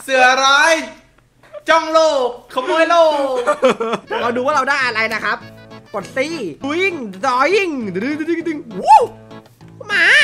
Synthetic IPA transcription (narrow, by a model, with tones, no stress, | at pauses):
sɯ˨˩˦ɐɾaː˦˥j | t͡ɕɔ˥˩ŋloː˥˩k̚kʰmuː˧˦ə˨jloː˥˩k | ɾa˧wduː˧waː˥˩ɾa˧wdaː˥˩jʔa˧ɾa˧jna˦˥kʰa˦˥p̚po˨˩t̪̚siː˧˥˩ji˥˩ŋɾɔː˧˦ji˧˥˩ŋ˨˩i˧˩˧i˧˩ŋdi˧˩ŋu˦˥˩ | pʰu˥˩maː˧˥